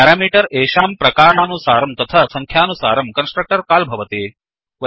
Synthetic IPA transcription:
aɾaːmiːʈɐɾeːʃaːmpɾɐkaːɾɳaːnusaːɾɐmt̪ɐt̪ʰɐsɐŋkʰjaːnusa̰ːɾɐmkɐnsʈɾɐk̚ʈɐɾkaːlbʱɐʋɐt̪eː | ʋɐ

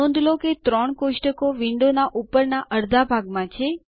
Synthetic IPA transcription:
õnd̪loket̪ɾɔɳkoʃʈəkoʋiɳɖonaʔupːəɾnaʔəɾd̪ʱabʱaɡmãt͡ʃʰe

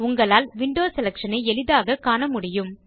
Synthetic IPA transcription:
ʊŋɡɐɭaːlʋɪɳɖoːsɛlɐkʂɐnɐɪɛlɪðaːɣɐkːaːnɐmʊɽɪjɯm

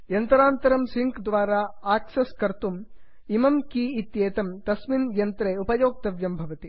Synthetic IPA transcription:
jɐnt̪ɐɾaːnt̪ɐɾɐmsiŋkd̪ʋaːɾaːaːksɐskɐɾt̪um | imɐmkiːit̪jeːt̪ɐmt̪ɐsminjɐnt̪ɾeːupɐjoːk̚t̪ɐʋjɐmbʱɐʋɐt̪i

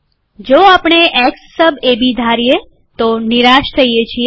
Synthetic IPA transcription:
d͡ʒoapɳ̃eʔeksːəbebid̪ʱaɾije | t̪oniɾaʃt̪ʰəjet͡ʃʰie

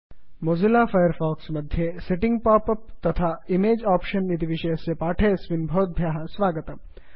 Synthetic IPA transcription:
mozɪlaːfɐjəɾfɔːksmɐd̪ʱjeseʈɪ̃ŋɡ̚paːpɐp̚t̪ɐt̪ʰaːɪmeːd͡ʒaːpʃənɪt̪iʋɪʃɐjsepaːʈʰesʋɪnbʱoːt̪̚bʱjaːɦɐsʋaːɡət̪ɐm

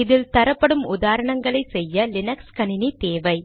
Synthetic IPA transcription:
ɪðɪlt̪ɐɾɐpːɐɽɯmʊðaːɾɐɳɐŋɡɐɭɐɪsɛjːɐlɪnɐkskɐnɪnit̪eːʋɐɪ

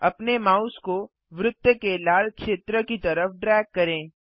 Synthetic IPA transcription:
ɐpnemaːʊsko | ʋɾʊt̪ːjəkelaːlkʃeːt̪ɾəkit̪ɐɾəfɖɾɛːkːɐɾẽː

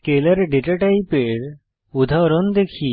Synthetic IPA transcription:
kelaɾɖeʈaʈajpeɾ | ud̪ʱaɾɔnd̪ekʰi

